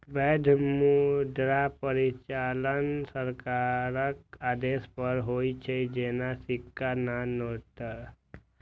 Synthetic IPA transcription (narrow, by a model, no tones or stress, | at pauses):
bɛd̪ʱmud̪ɾapəɾit͡ʃaːlənsəɾkaɾək̚aːd̪eːspəɾɦoit͡ʃʰed͡ʒenasɪkːananoʈ̪əɾ